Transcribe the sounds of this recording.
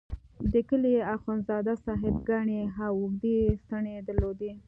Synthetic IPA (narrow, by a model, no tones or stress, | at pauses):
d̪əkəliaxonzɑd̪asɑɦɪbɡaɳeɦawʊxd̪est̪aɳed̪əɾlod̪e